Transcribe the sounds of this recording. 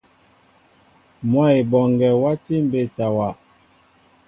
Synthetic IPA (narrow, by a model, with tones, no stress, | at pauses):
mwa˦i˨bɔ˨ŋɡɛ˨wa˦ti˦m˦be˦˨ta˨wa˨